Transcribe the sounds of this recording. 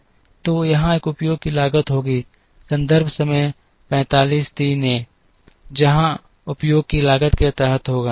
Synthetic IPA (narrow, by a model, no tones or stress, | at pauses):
t̪oːjɐɦãeːkʊpjoːɡ̚kilaːɡət̪ɦoːɡiː | sɐ̃nd̪əɾbʱsəməj | pɛ̃ːt̪aːliːst̪iːnẽ | d͡ʒɐɦã | ʊpjoːɡ̚kilaːɡət̪ket̪ɛːɦət̪ɦoːɡaː